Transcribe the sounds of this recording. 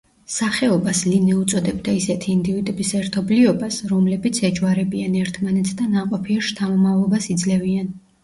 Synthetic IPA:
saχɛɔbaslinɛut̪sʼɔd̪ɛbd̪aisɛt̪ʰiːnd̪ivit̪ʼɛbisɛɾt̪ʰɔbliɔbasɾɔmlɛbit̪sʰɛd͡ʒwaɾɛbianɛɾt̪ʰmanɛt̪sʰd̪anaqʼɔpʰiɛʃt̪ʰamɔmavlˠɔbasid̪zlɛvian

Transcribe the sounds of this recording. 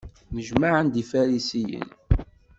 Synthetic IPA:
məʒmaʕənd̪ifæɾisijə̰n

